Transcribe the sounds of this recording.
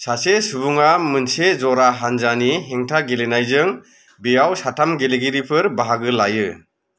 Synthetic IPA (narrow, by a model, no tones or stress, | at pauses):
sasesubuŋamɯnsezɔɾaɦanzaniɦeŋtʰaɡelenajzɯŋ | bijawsatʰamɡeleɡiɾipʰɯɾbaɦaɡɯlajɯ